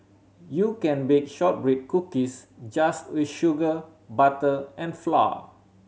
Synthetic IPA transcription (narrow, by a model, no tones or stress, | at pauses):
jukɛ̃nbek̚ʃɔt̚bɹit̚kukisd͡ʒastwiʃuɡə | batəʔɛ̃nfla̰w